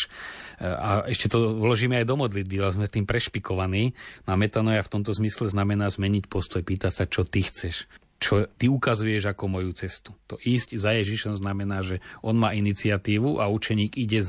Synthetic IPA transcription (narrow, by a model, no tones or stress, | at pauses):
aɛʃcɛt̪ɔlɔʒiːmɛajd̪ɔmɔd̪lid̪̚bialɛzmɛt̪iːmpɾɛʃpikɔʋaniːnɔamɛt̪anɔjaft̪ɔmt̪ɔzmislɛznamɛnaːzmɛɲicpɔst̪ɔjpiːt̪acsat͡ʃɔt̪ixt͡sɛʃ | t͡ʃɔt̪iukazujɛʒakɔmɔjut͡sɛst̪u̥t̪ɔʔiːzczajɛʒiʃɔmznamɛnaːʒɛʔɔnmaːinit͡siɪat̪iːʋuʔaut͡ʃɛɲiːɡiɟɛz